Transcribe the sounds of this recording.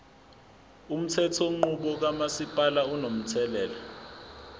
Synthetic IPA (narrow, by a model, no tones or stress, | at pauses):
um̩tʰɛtʰoŋ͡ǃuɓɔk̬amasipʼalaunom̩tʰɛlɛːla